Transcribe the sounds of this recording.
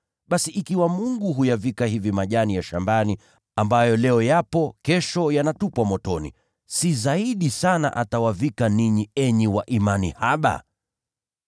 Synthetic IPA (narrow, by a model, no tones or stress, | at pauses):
ɓasiʔikiwamuŋɡuɦujavikahivimaʄanijaʃambani | ambajɔlɛɔjapɔkɛʃɔjanatupwamɔtɔnḭ | sizaiɗisana̰ʔatawavikaniɲiɛɲiwaʔimanihaɓa̰